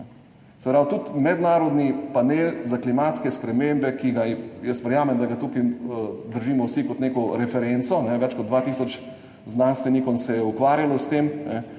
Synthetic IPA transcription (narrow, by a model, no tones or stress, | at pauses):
sɛpɾaːwt̪ut̪mɛd̪naːɾɔd̪nipaneːlzaklimaːt̪skɛspɾɛmembɛkiɡajəst̪ʋəɾjaːmɛmd̪aɡat̪ukid̪əɾʒiːmɔwsikɔt̪neːkɔɾɛfɛɾɛnt̪sɔnɛʋɛt͡ʃkɔt̪d̪d̪ʋaːt̪iːsɔt͡ʃ | znanst̪ʋɛnikɔnsɛjɛukʋaːɾjalɔst̪emnɛ